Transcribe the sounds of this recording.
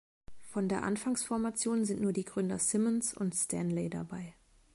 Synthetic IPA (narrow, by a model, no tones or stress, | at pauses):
fɔndeːɐʔanfaŋsfɔɐmat͡sjoːnzɪntnuːɐdiːɡʁʏndɐsɪmənsʊ̰ntstʰɛnlɛɪda̰baɪ